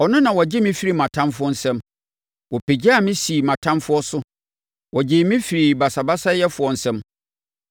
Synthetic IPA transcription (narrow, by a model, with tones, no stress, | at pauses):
ɔ˨nʊ̃˦nã˨wɔ˨d͡ʑɪ˦mĩ˦fi˦ɾi˨mã˨tʰã˦nfʊ˦ɔ˦n̩˦sɛ̃˦m | wɔ˨pʰe˨d͡ʑi˦a˦˨mɪ̃˦si˨mã˨tʰã˦mfʊ˦ɔ˦sʊ˦ | wɔ˨d͡ʑɪ˦mĩ˦fi˨ɾi˨ba˨sa˨ba˦sa˦jɛ˦fʊ˨ɔ˨n̩˨˦sɛ̃˦m